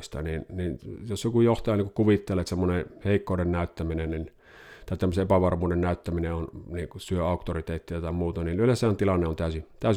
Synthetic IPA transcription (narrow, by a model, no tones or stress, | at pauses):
st̪ɑ̰ninninjosjokujoht̪ɑjɑnːiŋkukuʋit̪ːelˑet̪semːoneheˑikːoˑːdennæˑyt̪ːæminennin | t̪ɑˑit̪æmːəseepæʋɑrmuːdennæˑyt̪ːæmineonniŋkusyøɑˑukt̪orit̪eːt̪ːiæt̪ɑimuːt̪ɑninyølæsˑæːnt̪ilɑnːeont̪æˑysit̪æˑys